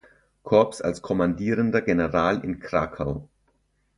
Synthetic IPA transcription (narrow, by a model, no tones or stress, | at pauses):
kʰɔɐpsa̰lskʰɔmandiːʁəndɐɡenəʁaːlɪ̰nkʁ̥aːkʰaʊ